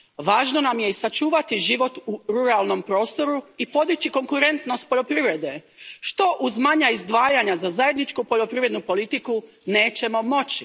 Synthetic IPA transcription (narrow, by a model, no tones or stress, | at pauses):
ʋaːʒno̞namje̞isat͡ʃuːʋat̪iʒiʋo̞t̪uɾuɾalˠno̞mpɾo̞ːst̪o̞ɾuipo̞d̪it͡ɕiko̞ŋkuɾe̞nt̪no̞st̪̚poʎo̞pɾiʋɾe̞d̪e̞ | ʃt̪o̞ʔuzmaɲaizd̪ʋaːjaɲazazaje̞d̪nit͡ʃkupo̞ʎo̞pɾiʋɾe̞d̪nupo̞lit̪iku | ne̞ːt͡ɕe̞mo̞mo̞t͡ɕi